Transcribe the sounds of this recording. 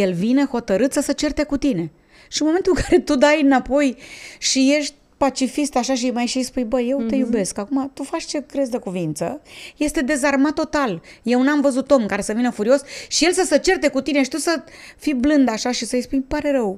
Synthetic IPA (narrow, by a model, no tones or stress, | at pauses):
je̞lvineho̞t̪əɾɨt̪səsət͡ʃe̞rt̪ekut̪ine̞ | ʃinmo̞ment̪ulŋkʰaɾe̞t̪ud̪ajɨnapo̞jʃije̞ʃt̪̚ʲpat͡ʃifist̪aʃaʃ̬imajʃijspujbəje̞wt̪ejube̞skakumat̪ufat͡ʃʲt͡ʃe̞kɾe̞zd̪əkuvint̪sə̰je̞st̪e̞d̪e̞zarmat̪ːo̞t̪alje̞wnamvəzut̪o̞mkaɾe̞səvinəfuɾio̞sʃije̞lsəsət͡ʃe̞rt̪e̞kut̪ine̞ʃi̥t̪usəfiblɨnd̪aʃaʃisəjspujpaɾe̞ɾəw